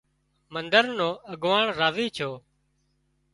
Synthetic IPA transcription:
mənd̪əɾnõːəɡʋaːɳɾaːʋiːt͡ʃʰoː

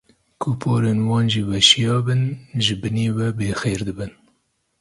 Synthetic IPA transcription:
kʰupʰoːɾeːnwɑːnʒiːwɛʃijɑːbɨnʒɨbɨneːwɛbeːxeːɾd̪ɨbɨn

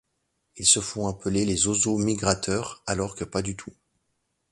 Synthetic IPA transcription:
ilsəfɔ̃apəlelezozomiɡʁat̪ʰœʁalɔʁkəpad̪yt̪ʰu

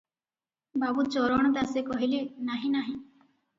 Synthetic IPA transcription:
babut͡ʃɔɾɔɽ̃ɔd̪asekɔɦilinaɦĩnaɦĩ

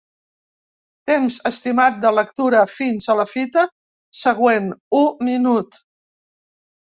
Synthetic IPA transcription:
t̪emzəst̪imat̪̚d̪ələkt̪uɾəfinzələfit̪ə | səɣwenuminut̪

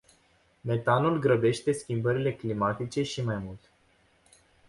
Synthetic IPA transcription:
me̞t̪anulɡɾəbe̞ʃt̪e̞skʲimbəɾile̞klimat̪it͡ʃe̞ʃimajmult̪

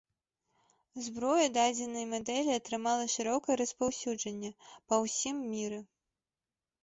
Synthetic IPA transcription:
zbɾɔjɐd̪ad͡zʲɛnɐjmad̪ɛlʲiɐt̪ɾɨmalˠɐʂɨɾɔkɐjɛɾɐspawsʲud͡ʐɐnʲːɛpɐwsʲimːʲiɾɛ

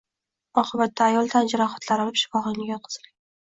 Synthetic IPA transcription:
ɒqʰɨbat̪ːaːjɒlˠt̪ʰand͡ʒaɾɒχḁt̪ʰlaɾɒlˠɪpʃɪ̥fɒʁɨŋɡʲajɒt̪̚qʰɨ̥z̥ɪla

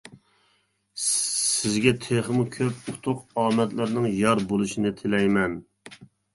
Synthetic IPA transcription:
ɪzɡʲɛt̪ʰeχəmukʲʰøput̪ʰʊqɑːmɛt̪lɪɾnɪŋjɑɾbolˠuʃinɪt̪ʰɪlɛjmɛn

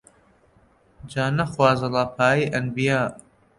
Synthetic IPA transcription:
d͡ʒaːnɐxwaːzɐlaːpʰaːjiʔɐnbijaː

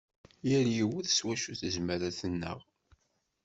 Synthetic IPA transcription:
jəɾjiwuθə̥swæʃuθəʒməɾæθənːə̰ʁ

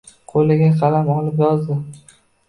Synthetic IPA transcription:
qʰolɪɡʲaqʰɑlamɒlɪp̬jɒzd̪ɪ

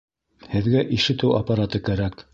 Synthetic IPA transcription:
hɘ̆ðɡæʔiʃɘ̆t̪ɘwɐpaɾat̪ɤkæɾæk

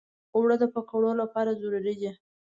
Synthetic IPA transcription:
owɽəd̪əpəkaɽolapɑɾazuɾaɾid͡ʒi

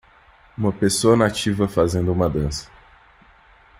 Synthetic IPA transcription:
ũmɐpesoɐnat͡ʃivɐfazẽnd̪ʊũmɐd̪ɐ̃sɐ̥

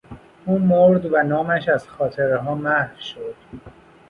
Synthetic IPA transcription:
uːmoɾd̪vænɒːmæʃæzxɒːt̪ʰeɾeɦɒːmæhɾʃod̪̥

